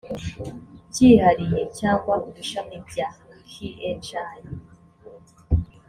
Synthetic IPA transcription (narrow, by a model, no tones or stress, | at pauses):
cihaɾijecaːŋɡwaubiʃamibɟahiʔenʃaːji